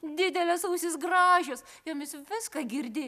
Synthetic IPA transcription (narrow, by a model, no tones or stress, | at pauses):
d̪ʲɪd̪ʲɛlʲɛsuːsʲɪsɡrɑːʒʲos | joːmʲɪsʋʲɪskɐɡʲɪɾʲd̪ʲɪ